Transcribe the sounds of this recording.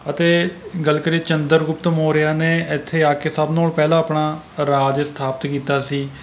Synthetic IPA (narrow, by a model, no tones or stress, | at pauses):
ət̪eːɡəlkəɾiːt͡ʃənd̪əɾɡʊpt̪moːɾɪjaːneːɪt̪ʰːeːaːkeːsəbnoːlpɛːlãːəpɳaː | ɾaːd͡ʒst̪ʰaːpət̪kiːt̪aːsiː